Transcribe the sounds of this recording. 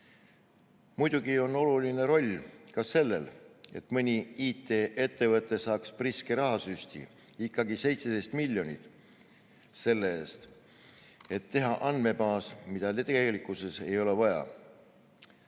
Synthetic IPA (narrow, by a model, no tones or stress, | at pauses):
mujd̪uɡ̥io̞no̞luline̞ɾo̞lʲkɑse̞lːe̞̰le̞̰t̪mɯnʲiiːt̪ːˑe̞ːʔe̞t̪ːe̞vɤt̪ˑːe̞sɑːkspriskeɾɑɦɑsysʲt̪ḭ | ikːɑɡise̞jt̪sed̪e̞jst̪milʲːjo̞nʲit̪ˑ | se̞lːeeːst̪ | e̞t̪ːe̞ɦɑʔɑnd̪me̞mɑːsmid̪̥ɑlt̪eɡelikːˑuse̞se̞jo̞le̞vɑjɑ̰